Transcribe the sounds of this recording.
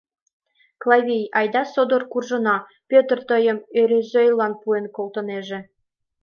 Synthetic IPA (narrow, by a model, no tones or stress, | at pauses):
klˠɑvʲejɑjd̪ɑsod̪orkurʒɤ̆nɑ | pʲøt̪rt̪əjə̆møɾezøjlˠɑnpuenkolt̪ɤ̆neʒĕ